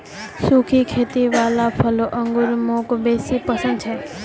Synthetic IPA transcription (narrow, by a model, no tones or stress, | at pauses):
sukʰikʰet̪iʋalapʰəloʔəŋɡuɾmokbesipəsə̃nd̪̚t͡ʃʰe